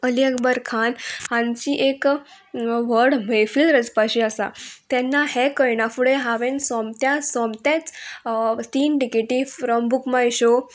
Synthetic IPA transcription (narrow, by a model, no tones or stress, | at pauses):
əliəkbəɾkʰanhãnt͡ɕiːʔek | ʋəɾɽmefilɾəd͡zpaɕiasa̰t̪ɛnːahekəjnafuɽeɦaʋẽnsɔ̃mt̪jasɔ̃mt̪at͡s | t̪iːnʈikeʈifɾɔmbukmajɕo